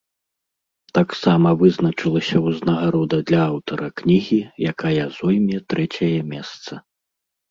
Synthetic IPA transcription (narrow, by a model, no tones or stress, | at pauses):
t̪aksamɐvɨznɐt͡ʂɨlˠɐsʲɐuznɐɣaɾɔd̪ɐd̪lʲɐawt̪ɐɾɐknʲiɣʲijakajɐzɔjmʲɛt̪ɾɛt͡sʲɐjɐmʲɛst̪sɐ